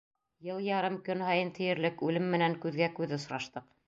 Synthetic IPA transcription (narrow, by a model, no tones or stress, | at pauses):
jɤlˠjɑɾɤmkɵnhɑjɤnt̪ʰɘ̆jɘ̆ɾlɘkʉlɘmːɘ̆næŋkʉðɡækʉðɘŏs̆ɾɑʃt̪ɤq